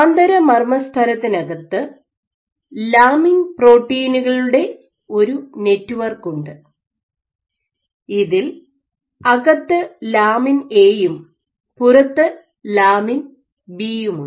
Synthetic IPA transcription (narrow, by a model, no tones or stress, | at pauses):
nd̪ɐɾɐmɐrmɐst̪ʰɐlɐt̪ːinɐɣɐt̪ːɨ | laːmiŋpro̞ːʈːiːnuɣɐɭuɽe̞ | o̞ɾune̞tːuʋɐrkːuɳɖɨ | iðil | ɐɣɐt̪ːɨlaːmine̞ːjum | purɐt̪ːɨ | laːmin | biːjumuɳ